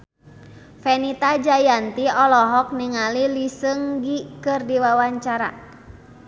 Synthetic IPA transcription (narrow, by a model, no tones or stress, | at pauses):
fɛnit̪ad͡ʒajant̪iɔlɔɦɔk̚niŋalilisəŋɡikɨrdiwawaɲt͡ʃaɾa̰